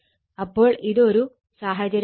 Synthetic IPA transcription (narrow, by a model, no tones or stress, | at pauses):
ɐpːo̞ːɭiðo̞ɾu | saːɦɐd͡ʑɐɾ